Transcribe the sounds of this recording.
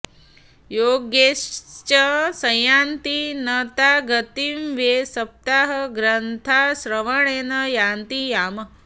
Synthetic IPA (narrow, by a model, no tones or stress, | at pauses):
joːɡjest͡ʃɐsɐjaːnt̪inɐt̪aːɡɐt̪imʋjeːsɐp̚t̪aːɦɐɡɾɐnt̪ʰasɾɐʋɐɳ̃eːnɐjaːnt̪ijaːmɐ